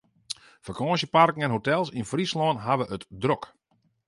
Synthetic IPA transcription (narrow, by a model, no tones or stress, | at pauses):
fakɔːsjəparkŋ̩ɛnɦotɛlˠsinfrislɔːnɦaʋəʔətdrok